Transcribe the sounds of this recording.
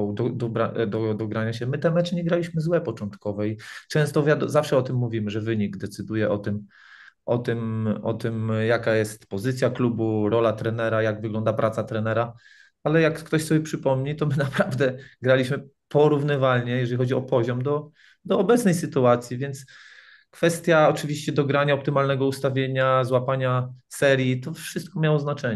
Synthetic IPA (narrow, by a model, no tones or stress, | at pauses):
d̪ɔd̪ɔbɾad̪ɔd̪ɔɡɾaɲaɕɛmɘt̪ɛmɛt͡ʂɘɲɛɡɾalʲiɕmɘzwɛpɔt͡ʂɔnt̪kɔvɛit͡ʂɛ̃w̃st̪ɔvʲjad̪zafʂɛɔt̪ɘmːuvʲimɘʐɛvɘɲiɡd̪ɛt̪sɘd̪ujɛʔɔt̪ɘm | ʔɔt̪ɘmɔt̪ɘmjakajɛst̪pɔzɘt̪sʲjaklubuɾɔlat̪ɾɛnɛɾajaɡvɘɡlɔnd̪apɾʔat̪sat̪ɾɛnɛɾa | alɛjakːt̪ɔɕsɔbjɛpʂɘpɔmɲit̪ɔmɘnapɾavd̪ɛɡɾalʲiɕmɘpʰɔɾuvnɘvalɲɛjɛʐɛlixɔd͡ʑiɔpɔʑɔmd̪ɔ | d̪ɔːbɛt̪snɛjsɘt̪uat̪sʲjivʲjɛnt̪s | kfɛst̪ʲjaɔt͡ʂɘvʲiɕt͡ɕɛd̪ɔɡɾaɲaɔp̚t̪ɘmalnɛɡɔust̪avʲjeɲazwapaɲasɛɾjit̪ɔfʂɘst̪̚kɔmʲjawɔznat͡ʂɛɲ